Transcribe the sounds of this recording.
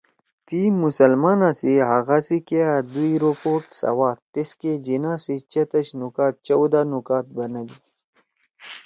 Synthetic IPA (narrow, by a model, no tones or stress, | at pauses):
t̪iːmːusɐlmaːnasiɦaɣasikead̪uiɾopoːʈsɐ̰waːt̪ːesked͡ʑinaːsit͡ɕɐt̪ɐɕnukaːt̪̚t͡ʃɐwd̪anukaːt̪̚bɐnɐd̪i